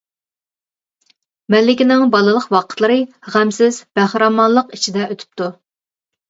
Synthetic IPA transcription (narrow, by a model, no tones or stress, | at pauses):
mɛlːɪkʲinɪŋbɑlˠɨlˠəqwɑqʰət̪lˠəɾɨʁæmsɪz̥b̥æhɾɑmɑnlˠəqit͡ʃʰid̪ɛʔøt̪ʰy̥p̚t̪ʰu